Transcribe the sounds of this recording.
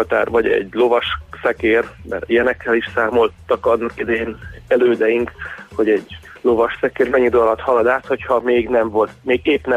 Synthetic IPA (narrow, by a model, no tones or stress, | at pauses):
ɒt̪aːrvɒɟɛ̰ɟlo̞vɒʃsɛkeːrmɛ̰rijɛnɛkːɛliʃsaːmo̞lt̪ɒkɒnːɒkid̪ɛjeːnɛløːd̪ɛjiŋkho̞ɟɛɟ | lovɒʃsɛkeːrmɛɲːid̪olɒt̪hɒlɒd̪aːt̪ho̞chɒmeːɡnɛɱvo̞lt̪meːɡeːpnɛ